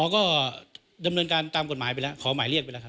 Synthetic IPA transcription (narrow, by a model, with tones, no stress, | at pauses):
ɔː˨˦kɔː˥˩ | da˧mnɤː˧nkaː˧nt̪aː˧mko˨˩t̪̚maː˩˦jpa˧lɛ˦˥kʰɔː˩˦maː˩˦jli˥˩ək̚a˧lɛ˦˥kʰa˥